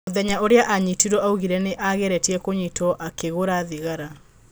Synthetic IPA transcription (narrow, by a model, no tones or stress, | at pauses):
oðɛɲaʔoɾeaʔaɲitiɾɔauɣiɾɛneʔaɣɛɾɛtiɛkoɲitɔʔakeɣoɾaðiɣaɾa